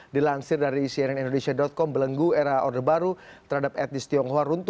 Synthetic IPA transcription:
dilansɪrdaɾisiaɾanindonesiadɔt̪̚kɔmbələŋɡuɛɾaʔɔdəbaɾut̪ərhadap̚ɛt̪ɪst̪iɔŋɦoaɾunt̪

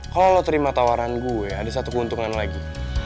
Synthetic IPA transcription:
kalolot̪əɾimat̪awaɾanɡuɛaːdasat̪ukəunt̪uŋanlaɡi

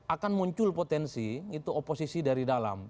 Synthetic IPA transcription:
ʔakanmuɲt͡ʃʊlpot̪ɛnsiit̪uoposisidaɾidala̰m

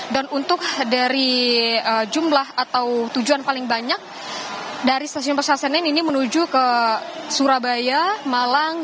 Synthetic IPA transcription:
danunt̪ʊk̚daɾiəd͡ʒumlahat̪awt̪ud͡ʒuanpalɪŋbaɲak̚ | daɾist̪asiʊnpəsasananinimənud͡ʒukəsuɾabajamalaŋ

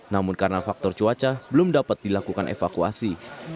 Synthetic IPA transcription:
namʊnkaɾənafak̚t̪ɔrt͡ʃuat͡ʃabəlʊmdapat̪̚dilakukanʔḛfakua̰si

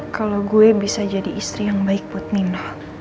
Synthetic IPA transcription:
kalawɡuɛbisad͡ʒadiːst̪ɾijaŋbaɪk̚but̪̚ninlah

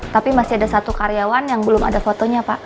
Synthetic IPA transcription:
t̪apimasiadasat̪ukaɾjawanjaŋbəlʊma̰dafot̪oɲapaʔ

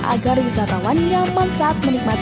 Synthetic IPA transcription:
ʔa̰ɡarwisat̪awanjaŋməmsaːt̪̚mənik̚mat̪

